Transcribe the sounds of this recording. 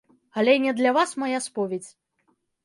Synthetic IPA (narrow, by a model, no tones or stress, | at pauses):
ɐlʲɛnʲɛd̪lʲavasmajaspɔvʲet͡sʲ